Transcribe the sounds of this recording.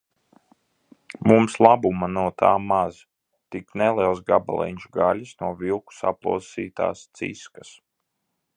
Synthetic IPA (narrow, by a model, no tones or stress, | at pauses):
mumslˠabumanuɔt̪aːmaz | t̪iknɛlˠiɛlˠsɡaba̰lˠɛ̰nʲʃɡalʲisnuɔvilˠku̥sa̰plˠṵɔsiːt̪a̰ːst̪sḭskas